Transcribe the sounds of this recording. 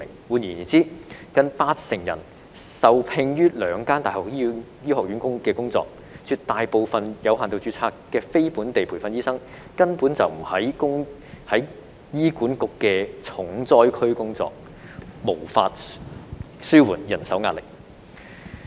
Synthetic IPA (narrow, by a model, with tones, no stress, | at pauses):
ŋwuː˨˧njiː˨˩ni˨˩t͡siː˥kɐ˨˧npaː˧t̚sɪ˨˩ŋjɐ̰˨˩n | sɐ˨wpʰɪ˧ŋjyː˥lœː˨˧ŋkaː˥nt̪aː˨˩hɔː˨k̚ji˥jiː˥ɦɔː˨˩k̚ɥyː˨˥nkʊ˥ŋkɛː˧kʊ˥ŋt͡sɔ̰ː˧k̚ | t͡ʃʰyː˧tt̪ːaː˨jpo˨˧wfɐ˨njɐ˨˧whaː˨nt̪o˧wt͡ʃyː˨˧˥t͡sʰaː˧kːɛː˧fe˥jpu˨˥nt̪e˨jpʰu˨˩fɐ˧njiː˥sɐ˥ŋ | kɐ˥npuː˨˥nt͡sɐ˨wm̩˨˩hɐ˨˥jkʊ˥ŋ | hɐ˨˥j | jiː˥kuː˨˥nkʊ˨kːɛː˧t͡sʰʊ˨˥ŋt͡sɔː˥jkʰɵ˥ɥkʊ˥ŋt͡sɔ̰ː˧k̚ | mo˨˩wfaː˧t̚ | syː˥wuː˨˩njɐ˨˩nsɐ˨˥wŋaː˧t̚lɪ˨˩k̚